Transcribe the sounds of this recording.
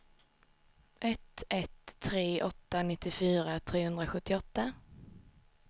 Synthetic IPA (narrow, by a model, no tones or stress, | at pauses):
ʔɛt̪ʰɛt̪ʰːɾeːʔɔt̪ːanɪt̪ːɪfyːɾat̪ʰɾeːhɵnd̪ɾaɧɵt̪ːɪɔt̪ːa